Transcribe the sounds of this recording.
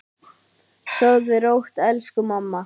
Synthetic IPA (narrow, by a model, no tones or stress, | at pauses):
sœwðɪɾowht̪ɛlskʏmamːa